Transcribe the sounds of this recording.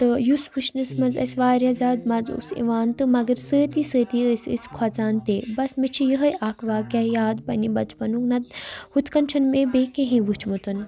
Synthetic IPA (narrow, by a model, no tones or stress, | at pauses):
t̪ɨjuspʰut͡ʃnɨsmɐzɐ̰sʲʋaːɾjazaːd̪mɐzṵsḭʋaːnt̪ɨmɐɡɐɾsəːt̪isəːt̪iəsʲə̰skʰwɐt͡saːnt̪eːbɐsmit͡ʃʰijəɦɐjaːkʰʋaːkʲɐjaːd̪pɐnibɐt͡ʃpɐnuknɐd̪̚hut̪ʰkɐnt͡ʃʰɐnmẽbeːkeɦẽʋɨt͡ʃʰmut̪ɐn